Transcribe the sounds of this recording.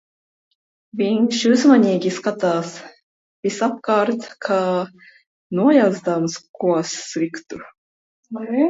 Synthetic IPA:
vʲiɲʲʃuzmanʲiːɡʲiskat̪aːs | vʲisapkaɾt̪kʰaː | nuɔjazd̪amskuɔsːlʲikt̪u

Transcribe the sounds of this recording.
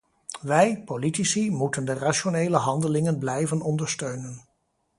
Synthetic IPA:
ʋɛjpolitisimutəndəraʃonejləɦɑndəlɪŋənblɛjvənɔndəɹstøɥnən

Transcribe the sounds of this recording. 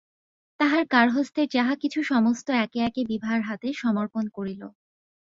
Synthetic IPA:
t̪aɦaɾkaɾɦost̪eɾd͡ʑaɦakit͡ɕʰuʃɔmost̪oɛkeɛkebibʱaɾɦat̪eʃɔmoɾponkoɾilo̰

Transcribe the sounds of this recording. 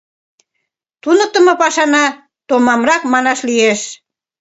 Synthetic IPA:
t̪unə̆k̚t̪ə̆mɤ̆pɑʃɑnɑ | t̪omɑmrɑkmɑnɑʃlijeʃ

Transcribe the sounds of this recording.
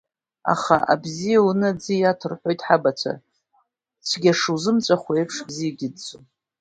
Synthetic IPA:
a̰χaʔa̰bzijaunɨd͡zɨjatʰɨrħʷo̞jtʼħabat͡ɕʷʰa̰ | t͡sʷʰɡʲaʂɨzɨmt͡sʷʼaχʷaejpʰʂbzijaɡʲɪdt͡sʼo

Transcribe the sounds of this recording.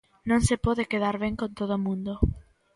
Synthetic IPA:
nõŋsepɔðekeðaɾβeŋkõnt̪oðomũnd̪o

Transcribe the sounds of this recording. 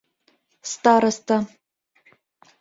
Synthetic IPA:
st̪aːɾɐst̪ʰa

